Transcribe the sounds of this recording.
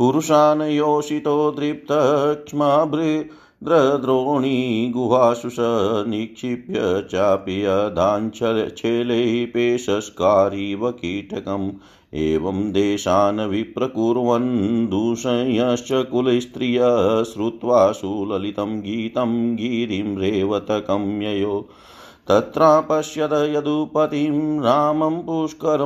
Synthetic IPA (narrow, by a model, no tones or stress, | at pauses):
puɾuʃaːnɐjoːʃit̪oːd̪ɾip̚t̪ʰɐɦɐkʂmabʱɾi | d̪ɾɐd̪ɾoːɳiɡuɦaːʃuʃɐnikʂipjɐt͡ʃaːpijɐd̪ʱaːnt͡ʃʰɐt͡ʃʰeːleɦipeːʃɐskaːɾiʋɐkiːʈɐkɐm | eːʋɐmd̪eːʃaːnɐʋipɾɐkuːɾɐʋɐnd̪ʱuːʂɐnjɐʃjɐkulɐst̪ɾijɐɦsɾut̪ʋaːsuːlɐlit̪ɐmɡiːt̪ɐmɡiːɾimɾeːʋɐt̪ɐkɐmjɐjoː | t̪ɐt̪ɾaːpɐʃjɐd̪ɐjɐd̪upɐt̪imɾaːmɐmpuːʂkɐɾɐ